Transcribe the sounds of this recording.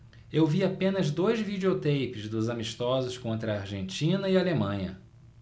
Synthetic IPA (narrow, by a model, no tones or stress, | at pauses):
ewviapẽnɐzd̪ojzvid͡ʒiot̪ejpɪzd̪ʊzamiʃt̪ɔzʊskõnt̪ɾɐːɾʒẽnt͡ʃĩnɐialemɐ̃ɲɐ̰